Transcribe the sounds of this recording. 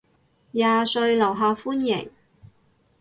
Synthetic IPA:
jaː˨sɵ˧ɥlɐ˨˩wɦaː˨˧fuː˥njɪ̰˨˩ŋ

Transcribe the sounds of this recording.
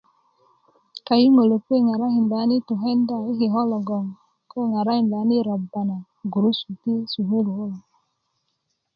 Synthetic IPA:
ka˨ji˦ŋo˨lo˨kwe˦˨ŋa˨ɾa˦hi˨mba˨˦ni˦tu˨ɦe˦nda˦˨i˦ɦi˨ɦɔ˦lɔ˨ɡɔ˨ŋ | ko˦˨ŋa˨ɾa˦hi˨mba˨˦ni˦ɾa˨bːa˨na˨ | ɡu˨ɾu˦su˨ti˦su˨ɦu˦lo˨o˦l

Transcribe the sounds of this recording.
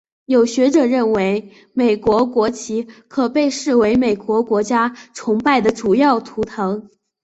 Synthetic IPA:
jo˨˩ʊɕɥɛ˧˥ʈ͡ʂɤ˨˩ɻə˥˩nwe˧˥ɪ | me˨˩ɪkwɔ˧˥kwɔ˧˥t͡ɕʰi˧˥kʰɤ˨˩pe˥˧ɪʂɻ̩˥˩we˧˥ɪme˨˩ɪkwɔ˧˥kwɔ˧˥t͡ɕja˥t͡sʰʊ˧˥ŋpa˥˩ɪd̪ə˩ʈ͡ʂu˨˩jɑ˥˩ʊt̪ʰu˧˥t̪ʰɤ˧˥ŋ

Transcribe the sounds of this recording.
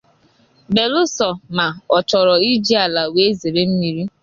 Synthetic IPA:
be˨lʊ˦sɔ˨ma˨ɔ˨t͡ʃɔ˨ɾɔ˨i˦d͡ʒi˦a˨la˨we˦ze˨ɾe˦m̩˦mi˨ɾi˦

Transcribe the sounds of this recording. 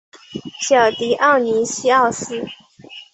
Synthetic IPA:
ɕjɑ˨˩ʊt̪i˧˥ʔɑ˥˩ʊni˧˥ɕi˥ɑ˥˧ʊsɹ̩˥

